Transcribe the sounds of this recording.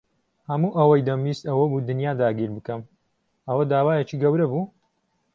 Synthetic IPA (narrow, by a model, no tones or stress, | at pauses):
hɐmuːʔɐwɐjd̪ɐmiːst̪ɐwɐbuːd̪ɨnjaːd̪aːɡiːɾbɨkɐm | ʔɐwɐd̪aːwaːjet͡ʃiːɡɐwɾɐbuː